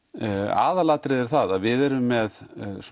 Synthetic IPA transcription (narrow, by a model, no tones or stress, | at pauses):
a̰ːðalat̪ɾɪðɛɾ̥θaðaðvɪðɛɾʏmːɛðs